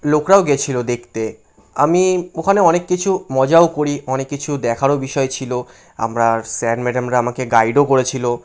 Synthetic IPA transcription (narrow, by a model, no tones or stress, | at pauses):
lokɾaoɡet͡ɕʰilod̪ekʰt̪e | amiokʰaneɔnekːit͡ɕʰumɔd͡ʑaokoɾiɔnekːit͡ɕʰud̪ɛkʰaɾobiʃɔet͡ɕʰilo | a̰mɾasɛnmɛɖamɾaamakeɡajɖokoɾet͡ɕʰilo